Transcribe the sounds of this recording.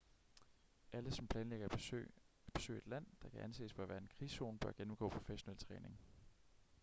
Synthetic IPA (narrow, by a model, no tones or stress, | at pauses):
ʔæləsɒ̽mpʰlɛːnleɡ̥ɐ | b̥e̝̥sø̰ːe̝d̥læn̰d̥ɑ̈kʰæʔænse̝ːsb̥ɒɐʋæːɐe̝nkʰʁḭːso̝̰ːnb̥ɶɐɡ̥enm̩ɡ̥ɔ̰̽ːpʰʁo̝feɕo̝nelt͡sʰʁɛːne̝ŋ